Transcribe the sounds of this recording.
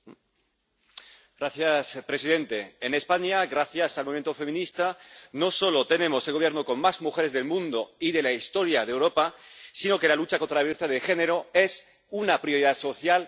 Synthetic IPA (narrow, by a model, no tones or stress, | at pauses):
ɡɾaθjaspɾe̞siðe̞nt̪e̞ːne̞spaɲaɣɾaθjasalmo̞iment̪ofe̞mĩnist̪ano̞so̞lot̪e̞nẽ̞mo̞selɣoje̞ɾnoko̞nmazmuxe̞ɾe̞zðe̞lmũnd̪o̞iðe̞laist̪o̞ɾjað̞ewɾo̞pasino̞ke̞lalut͡ʃako̞nt̪ɾaaβeθaðexe̞neɾoe̞s | unapɾjo̞ɾiðaðso̞θjal